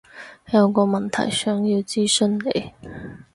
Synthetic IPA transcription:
jɐ˨˧wkɔː˧mɐ˨nt̪ʰɐ̰˨˩jsœː˨˥ŋjiː˧wt͡siː˥sɵ˥nlḛ˨˧j

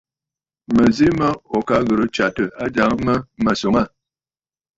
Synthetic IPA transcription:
mə˨zi˦mə˦ɔ˨ka˨˦ɣə˨ɾə˦t͡ʃa˨tə˨a˦d͡ʒa˨˦ŋ˦mə˦mə˨so˨˦ŋa˦˨

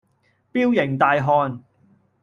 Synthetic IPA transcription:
piː˥wjɪ˨˩ŋt̪aː˨jɦɔː˧n

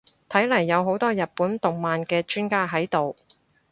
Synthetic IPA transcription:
t̪ʰɐ˨˥jlɐ˨˩jːɐ˨˧wɦo˨˥wt̪ɔː˥jɐ˨t̚puː˨˥nt̪ʊ˨ŋmaː˨nkɛː˧t͡ʃyː˥nkaː˥ɦɐ˨˥jt̪o˨w

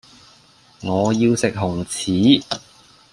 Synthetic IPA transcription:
ŋɔː˨˧jiː˧wsɪ˨k̚ɦʊ˨˩ŋt͡sʰiː˨˥

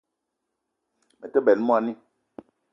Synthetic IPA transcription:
mɛ˨tə˦bɛ˨lmu˦a˨ni˦

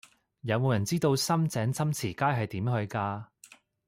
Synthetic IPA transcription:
jɐ˨˧wmo˨wjɐ˨˩nt͡siː˥t̪o˧wsɐ˥mt͡sɛː˨˥ŋt͡sʰɐ˥mt͡sʰiː˨˩kaː˥jɦɐ˨jt̪iː˨˥mɦɵ˧ɥkaː˧

